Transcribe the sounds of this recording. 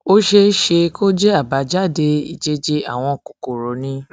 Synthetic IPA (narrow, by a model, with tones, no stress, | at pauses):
o˦ʃe˧ʃe˧ko˦d͡ʒe˦a˦˨ba˨˦d͡ʒa˦˨de˧ḭ˦˨d͡ʒe˨˦d͡ʒe˧a˦˨w̃ɔ̃˧˨ku˨ko˨ɾo˨˦nĩ˧˦